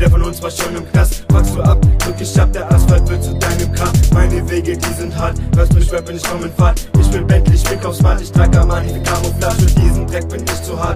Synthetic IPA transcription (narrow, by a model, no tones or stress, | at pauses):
dɐfɔnʊnsv̥aːʃonɪmknasfakstd̥uːʔap̚ɡ̥ɪkɪç̥ap̚d̥eːɐʔasfalt̚v̥ɪt͡sudaɪnəmkʰaːmaɪnəveːɡədiːzɪnthatv̥asʊʃv̥ɛbɪnɪçkɔmənfaːtʔɪçv̥ɪlbɛntlɪçmɪkaʊsmaːtɪçtd̥ʁakamanifikʰaːʁoflaʃʊnd̥iːzn̩d̥ʁɛk̚b̥ɪnɪçtt͡suhaː